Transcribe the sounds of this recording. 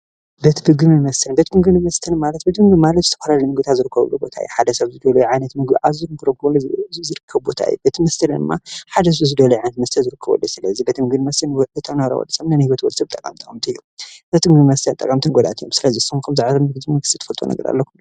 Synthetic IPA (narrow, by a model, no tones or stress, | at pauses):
bɐt̪ʰbɨɡɨmimɐst̪ʰɨnbɐt̪mɨɡɨnimɐst̪ʰɐnmalɐt̪̚bɐt̪mɨɡɨmalɐt̪zɨt̪ʰɐfalalimɨɡɨt̪ʰazɨɾɨkʰːɐβɐ̰lːṵbo̞̰t̪ʰa̰juħad̪ɐsɐβzɨd̪ɐlujuʕajnɐt̪mɨɡbḭʕazɨɾɨɡɨɾoklzɨɾɨkʰːɐβbo̞t̪ʰa̰ɨ̰jṵbet̪ʰimɐst̪ʰɐld̪ɨmːaħad̪ɐs̬ɐβzɨd̪ɐlujʕajnɐt̪mɐst̪ʰɐlzɨɾɨkʰːɐβ̰lːṵsɨlɐzibɐt̪ʰɨmɨɡɨnimɐst̪ʰɐnwɔʔɨt̪ʰɐnaɾɐ̰wɔ̰dsɐmnanhiwɐt̪wɔlsɐb̚t̪ʼɐkʼamit̪ʼɐkʼɐmt̪ʰiɨjːubɐt̪ʰɨbɨɡmimɐst̪ʰɐnt̪ʼɐkʼamt̪ʰɨŋɡɔd̪a̰t̪ʰijo̰msɨlɐzisɐkʰɐmzaʕɾɐmɨɡɨzɐɡɨst̪ʰi̥t̪ɨ̥fɐlt̪ʼonɐ̰ɡɐɾa̰lːɐkʰu